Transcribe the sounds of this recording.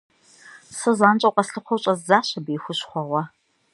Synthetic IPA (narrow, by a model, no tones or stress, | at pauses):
sɨzaːnt͡ʃʼɐwqʼɐsɬɨqʷɔwɕʼɐzzaːɕɐbiːxʷʊɕχʷɔʁʷɐ